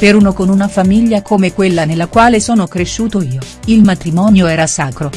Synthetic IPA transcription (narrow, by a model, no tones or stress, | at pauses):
peɾunokonunafamiʎːakomekwelːanelːakwaːlesoːnokɾeʃːuːt̪oiːo | ilmat̪ɾimɔːnjoɛːɾasaːkɾo